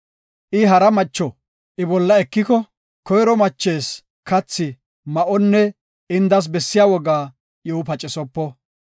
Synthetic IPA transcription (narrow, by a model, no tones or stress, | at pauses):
ʔɪɦɐɾɐmɐt͡ʃːɔ | ʔɪbɔlːɐɛkːɪkɔ | kɔjɾɔmɐt͡ʃːeːs | kɐt͡sːɪ | mɐʔɔnːɛ | ɪnd̪ɐs̬bɛsːɪjaːwɔɡaː | jɔʊpɐt͡ʃʼɪsɔpːɔ